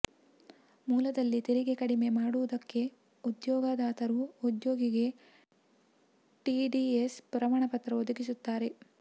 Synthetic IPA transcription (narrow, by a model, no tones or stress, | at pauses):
muːlɐd̪ɐlːit̪iɾiɡe̞kɐɽime̞maːɽuʋud̪ɐkːe̞ | ud̪jɔːɡaːd̪aːt̪ɐɾuud̪joːɡiɡe̞ | ʈiɖiespɾɐmaːɳɐpɐt̪ɾɐod̪uɡisut̪ːaːɾe̞